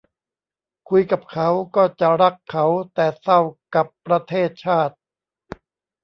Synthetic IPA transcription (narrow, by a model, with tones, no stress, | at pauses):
kʰu˧jka˨˩p̚kʰa˦˥wkɔː˥˩t͡ɕa˨˩ɾa˦˥kʰːa˦˥wt̪ɛː˨˩sa˥˩wka˨˩pːɾa˧t̪ʰeː˥˩t̪̚t͡ɕʰaː˥˩t̪̚